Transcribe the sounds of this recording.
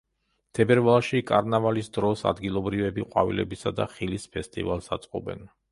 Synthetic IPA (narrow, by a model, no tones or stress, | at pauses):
t̪ʰɛbɛɾvalˠʃikʼaɾnavalisd̪ɾɔsa̰d̪ɡilˠɔbɾivɛbiqʼwa̰vḭlɛ̰bisad̪aχilispʰɛst̪ʼḭvalˠsat̪sʼqʼɔbɛ̰n